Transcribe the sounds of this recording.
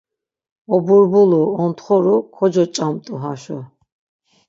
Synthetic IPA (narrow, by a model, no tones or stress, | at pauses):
ɔbuɾbuluɔnt̪χɔɾukʰɔd͡ʒɔt͡ʃʼamt̪ʼuɦaʃɔ